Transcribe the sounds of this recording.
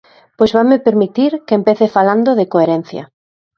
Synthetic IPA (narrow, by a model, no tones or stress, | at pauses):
pojzβamepeɾmit̪iɾkeempeθefaland̪oðɪkoeɾɛn̟θjɐ̰